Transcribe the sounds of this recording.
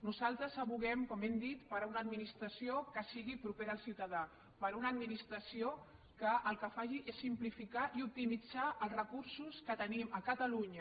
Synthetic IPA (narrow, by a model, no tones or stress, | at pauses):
nuzalˠt̪ɾəsəβuɣɛmkɔmɛmd̪it̪pəɾunəd̪minist̪ɾəsiokəsiɣipɾupeɾːlˠsiwt̪əða | pəɾunəd̪minist̪ɾəsio | kəʔːlˠkəfaʒiʔesːimplifikaʔiup̚t̪imid͡zaʔəlˠzrəkuɾsuskət̪əniməkət̪əluɲə